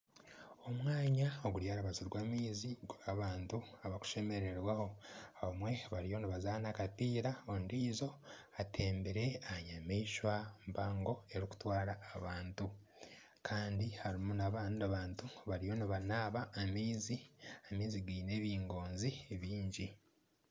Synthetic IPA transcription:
o̞mwaːɲaoɡuɾjaːɾaβaziɾɡwamiːziɡuɾaβaːntuaβaku̥ʃe̞me̞ɾe̞ɾwaho̞aβamwe̞βaɾijo̞niβazaːnakapiːɾaondiːzo̞ | atʰe̞ːmbeɾe̞aɲamiiʃwampaːŋɡo̞e̞ɾiku̥twaːɾaːβaːntu | kʰaːndihaɾimunaβaːndaβaːntuβaɾijo̞niβanaβaːmiːziamiːziɡiːne̞βiːŋɡo̞ːnzieβiːɲɟi

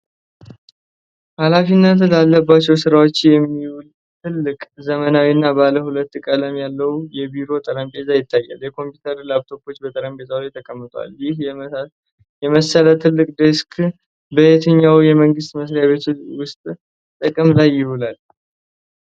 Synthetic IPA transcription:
halafinːət̪lalːəbːat͡ʃːɛwsɨɾawo̞t͡ʃːjɛmːiwul | t̪ʰɨlːɨkʼzəmənawinːabaləhulət̪ːkʼələmjalːəwjɛbiɾo̞t̪ʼəɾəmbe̞t̪ʼajɪt̪ʰːajːa̰ljɛkʰo̞mpjut̪ʰəɾlabt̪ʰo̞bo̞t͡ʃːbət̪ʼəɾəmbe̞t̪ʼawlt̪ʰːəkʼəmːət̪ʼa̰ljɪh | jɛməsəlat̪ʰɨlːɨkʼd̪əskʰ | bəet̪ʰəɲːawjɛməŋɡɨst̪məsɾjaβe̞t̪ʰuwʊst̪ʼ | t̪ʼəkʼəmlajːɪhulal

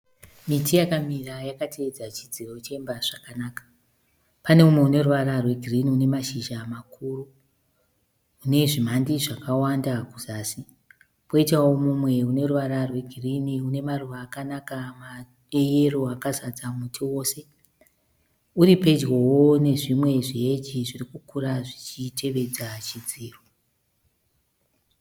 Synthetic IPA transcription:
mitijakamirajakatʰeːd͡zat͡ʃid͡zirout͡ʃeembaʐ̥akanaːkḁ | pane̞mumwe̞une̞ruʋaɾarwe̞ɡʱiriniune̞maʃiʒamakʰuːru | ne̞ʐim̤andiʐakawandakuzaːsi | poitawomumwe̞une̞ruʋaɾarwe̞ɡʱiriniune̞maruʋaːkanakama | ɗe̞je̞ro̞akazad͡zamutʰiwo̞ːse̞ | uɾipe̞d͡ʒɣowone̞ʐimwe̞ʐiɦed͡ʒiʐirikukuraʐit͡ʃite̞ʋe̞d͡zat͡ʃid͡ziːro

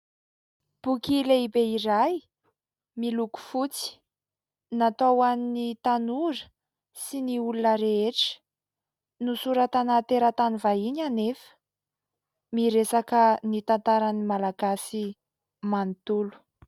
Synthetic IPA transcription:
b̥ukʲileibeiɾaj | miluku̥fut͡si̥ | nat̪owaninit̪anuɾə̥ | siniulunəɾeeʈ͡ʂə̥ | nusuɾat̪anat̪eɾət̪anivaiɲanefə̥ | miɾesakənit̪ant̪aɾanimalaɡasi | mant̪ulu̥

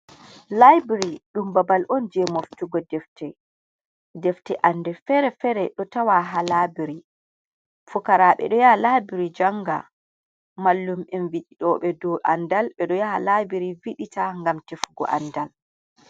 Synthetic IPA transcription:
lajbɾiɗumbabalʔɔnd͡ʒɛmoftuɡɔdɛftɛ | dɛftɛʔandɛfɛɾɛfɛɾɛɗɔtawaɦalabiɾi | fukaɾaɓɛ̰ɗɔjalabiɾid͡ʒaŋɡa̰ | malːumɛnviɗiɗɔɓɛdɔʔandalɓɛɗɔjaalabiɾiviɗitaŋɡamtefuɡɔ̰ʔa̰ndal

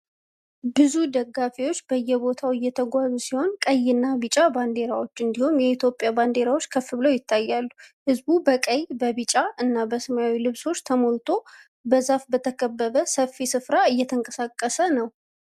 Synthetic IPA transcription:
bɨzud̪əɡːafiwo̞t͡ʃːbəjːɛbo̞t̪ʰawɨjːɛt̪ʰəɡʷazusiho̞nkʼəjːɪnːabɨt͡ʃʼaband̪e̞ɾawo̞t͡ʃːɨnd̪ihumjɛit̪ʰjo̞pʼːjaband̪e̞ɾawo̞t͡ʃːkʰəfːɨβləwjɪt̪ːajːalːuhɨzbubəkʼəjbəβɨt͡ʃʼaɨnːabəsəmaawilɨβso̞t͡ʃːt̪ʰəmo̞lt̪ʰo̞ | bəzafbət̪ʰəkʼəbːəβəsəfːisɨfɾaɨjːɛt̪ʰəŋkʼəsakʼːəsənəw

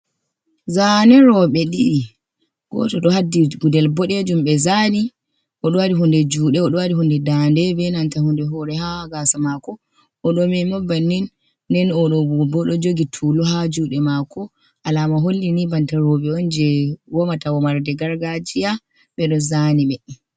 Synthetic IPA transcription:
zanɛɾɔɓɛɗiː | ɡɔ̰tɔɗɔhadːiɡudɛlbɔɗed͡ʒumɓɛzani | ʔɔɗɔwadiɦundɛd͡ʒuːɗɛɔɗɔwadihundɛdandɛbɛnantahundɛɦɔɾɛhaɡasamakɔ | ʔːɗɔmɛmɔbanːinː | ɛnɔɗɔbɔɗɔd͡ʒoɡitʰulɔɦad͡ʒuɗɛmakɔ | ʔalamaɦolːinibantaɾɔɓɛɔnd͡ʒɛwɔmatawɔmaɾdɛɡaɾɡad͡ʒija | ɓɛɗɔzaniɓɛ

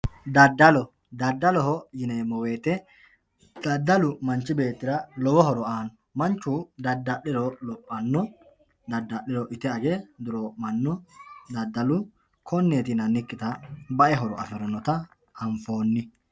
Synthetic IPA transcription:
d̪ɐd̪ːɐlɔ | d̪ɐd̪ːɐlɔɦɔjɪnemɔwe̞ːt̪ɛ | d̪̥ɐd̪ːɐlʊmɐnt͡ʃːɪbe̞ːt̪ːɪɾɐlɔwɔɦɔɾɔaːnɔ | mɐnt͡ʃːuːd̪ɐd̪ːɐɗɪɾɔlɔpʼːɐnːɔ | d̪ɐd̪ːɐʔɪɾɔʔɪt̪ɛɐɡɛd̪ʊɾomɐnːɔd̪ɐd̪ːɐlʊ | kʰɔnːeːt̪ɪnɐnːɪkːɪt̪ɐbɐʔɛɦɔɾɔ̰ɐ̰fɛɾɔnɔt̪ɐ | ɐɱfo̞ːnːɪ

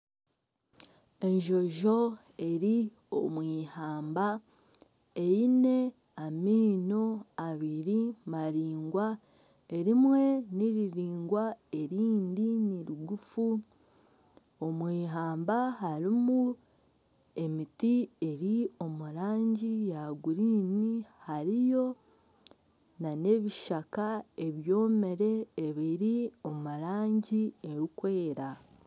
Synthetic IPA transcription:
e̞ɲʒo̞ʒo̞ | e̞ɾi | omwiːhaːmba | eine̞ | amiːno̞aβiɾimaɾiːŋɡwa | e̞ɾimwe̞niɾiɾiːŋɡwae̞ɾiːndiniɾuɡufu | o̞mwiːɦaːmbaɦaɾimu | e̞mitie̞ɾio̞muɾaːɲɟijaɡuɾiːnihaɾijo̞ | nane̞βiʃakae̞βjo̞ːme̞ɾe̞ːβiɾio̞muɾaːɲɟieɾukwe̞ːɾa

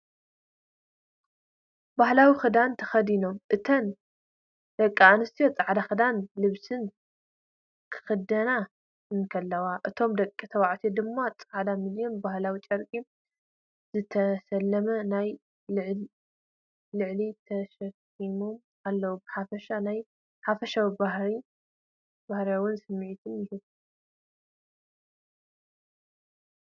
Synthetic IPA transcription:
bahlawixɨd̪ant̪ʰɐ̥xɐd̪ino̞mʔɨt̪ʰɐn | d̪̥ɐkʼːianɨst̪ʰijo̞t͡sʼaʕd̪axɨd̪anlɨβsɨn | kʰɨ̥xɨd̪ɐna | ɨnkʰɐlːɐwaʔɨt̪ʰo̞md̪ɐkʼːit̪ʰɐwaʕt̪ʰied̪ɨmːat͡sʼaʕad̪amɨljonbahlawit͡ʃʼɐɾkʼi | zɨt̪ʰɐsɐlːɐmɐnaj | ɨʕ | lɨʕlit̪ʰɐʃɐkʼː | imom | alːɐwubɨħafɐʃanaj | ħafɐʃawibahɾi | bahɾawʊnsɨmːʕit̪ʰɨnjɪhɨβ

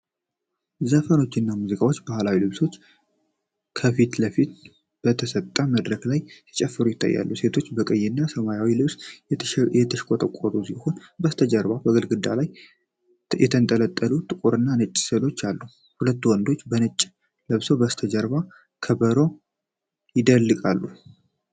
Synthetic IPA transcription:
zəfəno̞t͡ʃːɪnːamuzikʼawo̞t͡ʃːbahlawilɨβso̞t͡ʃː | kʰəfit̪ləfit̪̚ | b̥ət̪ʰəsət̪ʼːaməd̪ɾəɡlajsi̥t͡ʃʼɛfːɨɾujɪt̪ʰːa̰jːa̰lːuse̞t̪ʰo̞t͡ʃːbəkʼəjːɪnːasəmajawilɨβs | jɛt̪ʰəʃkʼot̪ʼəkʼːoɾusiho̞nbəst̪ʰəd͡ʒəɾβabəɡəlɡɨd̪ːalaj | jɛt̪ʰənt̪ʼələt̪ʼːəlut̪ʼɨkʼoɾɨnːanɨt͡ʃʼːsəlo̞t͡ʃːalːu | hulət̪ːwɔnd̪o̞t͡ʃːbənɨt͡ʃʼː | lɨβsobəst̪ʰəd͡ʒəɾba | kʰəbəɾo̞ | jɪd̪əlːɨkʼalːu

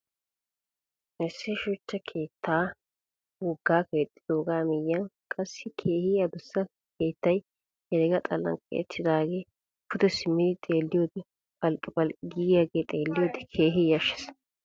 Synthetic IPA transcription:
ʔɛsːɪʃʊt͡ʃːɐkʰe̞ːt̪ːaː | wɔɡːaːkɛɛt̪ʼːɪd̪oːɡaːmɛjːɐnkʼɐsːɪkʰe̞ːhɪːɐd̪ʊsːɐ | ke̞ːt̪ːɐj | hɛɾɛɡɐt̪ʼɐlːɐ̰ŋkʼɛ̰ɛ̰t̪ʰːɪd̪aːɡeː | pʰʊt̪ɛsɪmːɪd̪ɪt̪ʼeːlːɪjoːd̪ɪ | pʼɐlkʼːɪpʼɐlkʼɪɡijaɡeːt̪ʼe̞ːlːɪjoːd̪ɪkʰe̞ːɦɪjɐʃɛ̥s

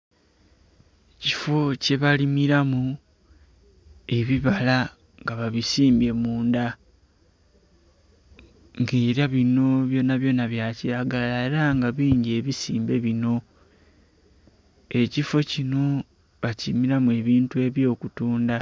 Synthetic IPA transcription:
ecifo̞ce̞βalimiɾamu | e̞βiβala | ŋɡaβaβisiːmbe̞muːnda | ŋɡe̞ːɾjaβino̞βjo̞naβjo̞ːnaβjaciɾaɡalaeɾaŋɡaβiːɲɟie̞βisiːmbe̞βino̞ | e̞cifo̞cino̞ | βacimiɾamue̞βiːntue̞βjo̞ːkutuːnda

